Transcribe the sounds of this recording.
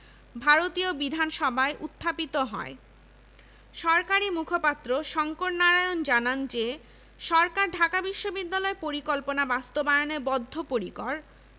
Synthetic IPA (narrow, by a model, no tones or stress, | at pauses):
bʱaɾot̪iobid̪ʱanʃɔbʱaeʔut̪ʰːapit̪oɦɔ̰e | ʃɔɾkaɾimukʰopat̪ːɾoʃɔŋkoʈnaɾajond͡ʑanand͡ʑe | ʃɔɾkaɾɖʱakabiʃːobid̪ːalɔepoɾikɔlponabast̪obaeonebɔd̪ʱːopoɾikɔɾ